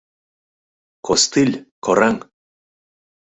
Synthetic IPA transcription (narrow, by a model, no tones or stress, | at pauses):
kost̪ɨlʲkʰoɾaŋ